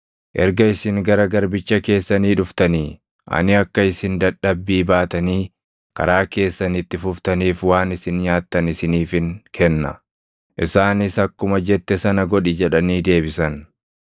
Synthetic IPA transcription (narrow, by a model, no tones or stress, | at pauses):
ʔɛɾɡɐɪsɪŋɡɐɾɐɡɐɾbɪt͡ʃːɐke̞ːsːɐniːᶑʊft̪ɐniː | ʔɐ̰nɪɐkːɐɪsɪnd̪ɐᶑːɐbːiːbaːt̪ɐniː | kɐ̰ɾaːke̞ːsːɐnɪt̪ːɪfʊft̪ɐniːfwaːnɪsɪnɲaːt̪ːɐnɪsɪniːfɪŋkʰɛnːɐ̰ | ʔɪsaːnɪsɐkːʊmɐd͡ʒɛt̪ːɛsɐnɐɡɔᶑɪd͡ʒɛᶑɐniːd̪e̞ːbɪsɐn